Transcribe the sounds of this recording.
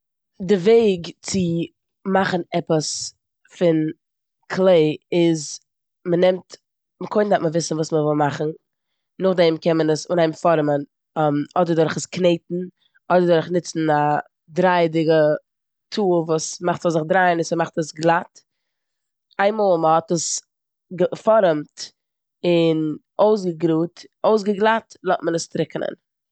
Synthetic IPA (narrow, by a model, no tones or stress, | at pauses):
dɪveɪɡt͡sɪ | maχn̩ɛpəs | fɪn | kʰlˠeɪɪz | mənɛmt | məkʰoɪndatməvɪsn̩vuːsməvɪlˠmaχn̩ | nʊχdɛmkɛnmənəsʊnaɪmfɔɾmən | mɔdəɾdʊɾχəskneɪtn̩ | ɔdəɾdʊɾχnɪt͡sn̩a | dɾaɪdɪɡə | tʰuːvuːsmaχtɔzɪχdɾaɪnɪsəmaχtəsɡlˠat | aɪmɔːlˠməhɔtəs | ɡəfɔɾəmt | ɪn | oʊs̬ɡəɡɾuːtoʊs̬ɡəɡlˠatlˠɔtmənəstɾɪkənə̰n